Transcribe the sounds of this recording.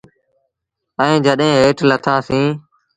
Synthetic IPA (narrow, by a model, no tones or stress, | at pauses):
əĩːd͡ʒəɗɦẽːɦeːʈʰlət̪ʰãːsĩː